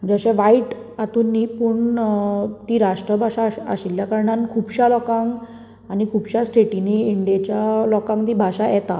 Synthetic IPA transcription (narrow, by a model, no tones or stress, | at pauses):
d͡zəɕẽʋaiʈ | at̪uːnːiːpuɳ | t̪iːɾaʂʈɾəbʱaʂaa̰ɕiljakəɾɳankʰuːbɕalɔkãŋ | anikʰuːbɕasʈʰeʈiniːɳɖijet͡ɕjalɔkãŋd̪ibʱaɕajɛt̪a̰